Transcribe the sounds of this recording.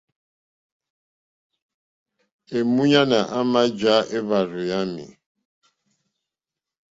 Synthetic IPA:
e˨mu˦ɲa˦na˨ʔa˦ma˦d͡ʒa˦ʔe˦βa˨ɾʊ˨ja˦mḭ˨

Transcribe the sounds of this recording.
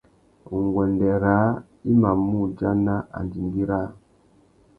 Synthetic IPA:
u˨ŋɡwɛ˨ndɛ˨ɾa˨˦ | i˦ma˨mu˦d͡ʒa˦na˦a̰˨ndi˨mɡi˦ɾa˦

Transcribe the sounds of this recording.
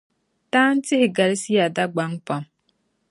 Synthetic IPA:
taː˦n̩˦tɪ˦ʔɪ˨ɡa˨ɾsi˦ja˨da˦ɡ͡ba˦ŋk͡pa˨m

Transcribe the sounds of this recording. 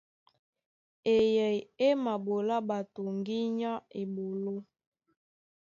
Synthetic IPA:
e˨jɛ˨je˦ma˨bo˨la˦ba˨to˨ŋɡi˦ɲa˦e˨bo˨lo˦

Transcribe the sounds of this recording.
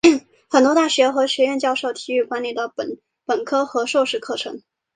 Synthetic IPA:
xə˨˩nt̪wɔ˥t̪a˥˩ɕɥɛ˧˥xɤ˧˥ɕɥɛ˧˥ɥɛ˥˧nt͡ɕjɑ˥˧ʊʂo˥˩ʊt̪ʰi˨˩y˥˩kwa˥nli˨˩d̪ə˩pə˨˩n | pə˨˩nkʰɤ˥xɤ˧˥ʂo˥˧ʊʂɻ̩˥˧kʰɤ˥˩ʈ͡ʂʰɤ̰˧˥ŋ

